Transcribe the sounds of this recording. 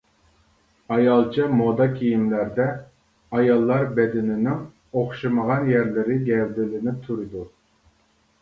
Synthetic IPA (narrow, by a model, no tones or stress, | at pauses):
ɑjɑlˠt͡ʃʰɑmod̪ɑkʲʰijimlæɾd̪ɛ | ɑjɑlˠːɑɾbɛd̪ɪnɪnɪŋ | oχʃɨməʁɑnjæɾlɪɾɪɡʲɛɾd̪ɪlɪnɪp̚t̪ʰuɾɨd̪u